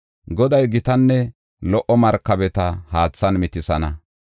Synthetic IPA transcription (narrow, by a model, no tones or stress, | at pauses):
ɡɔd̪ɐjɡɪt̪ɐnːɛ | lɔʔːɔmɐɾkːɐbɛt̪ɐhaːt͡sːɐnmɪt̪ɪsɐnɐ